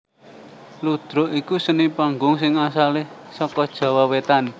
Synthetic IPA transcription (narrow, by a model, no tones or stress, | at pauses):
lud̪̥ɾʊ̤ʔikusənipaŋɡʊŋs̬ɪŋasalɪhsɔkɔd̥ʒ̥a̤wawet̪an